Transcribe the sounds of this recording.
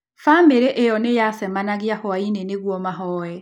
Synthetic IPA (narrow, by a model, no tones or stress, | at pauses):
fameɾeʔejɔnejasɛmanaɣiahɔaineneɣwɔmaɦɔɛ